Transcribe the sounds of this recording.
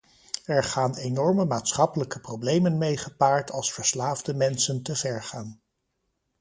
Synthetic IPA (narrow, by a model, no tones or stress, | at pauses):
ɛɹχaːnenɔɹməmaːtsχɑpələkəprowblejmənmejχəpaːɹtʰɑlˠsfəɹslaːvdəmɛnsəntəvɛɹχaːn